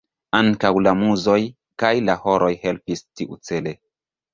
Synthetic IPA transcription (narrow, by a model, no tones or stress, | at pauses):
aŋkawlamuzo̞j | kajlahoɾʔo̞jhelpistiʔṵt͡sele